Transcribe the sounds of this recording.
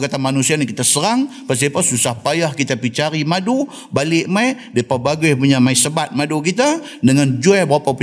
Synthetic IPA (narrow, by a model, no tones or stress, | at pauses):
kat̪amanusianikit̪asəɾaŋpərs̬iapasusahpajahkit̪apit͡ʃaɾimadu | balɪʔmaidapəbaɡajpuɲamaisəbat̪̚madukit̪a | dəŋand͡ʒuabəɾapapu